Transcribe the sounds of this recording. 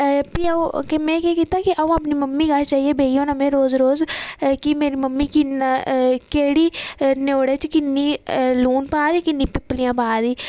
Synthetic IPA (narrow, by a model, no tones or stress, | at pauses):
piːkemɛ̃ːkɛːkiːt̪aːkɪʔəũapniːməmːiːɡaːt͡ʃaːɦieːbʱeːijõːnəmẽːɾoːzɾoːzkimeːɾiːməmːiːkɪnakeːɽiːnoːɽeːt͡ʃkɪnːiːluːnpaːd̪iːkɪnːĩːpɪpːlijãːpaːd̪iː